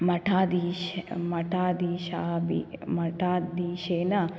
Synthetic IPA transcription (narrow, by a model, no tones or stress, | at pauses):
mɐʈʰaːd̪iːʃmɐʈʰaːd̪iːʃaːbḭmɐʈʰaːd̪iːʃeːna